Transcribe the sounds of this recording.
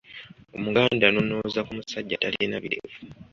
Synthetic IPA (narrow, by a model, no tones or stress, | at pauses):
o̞muɡaːndano̞no̞zakumusaɟːataljenaβiɾevu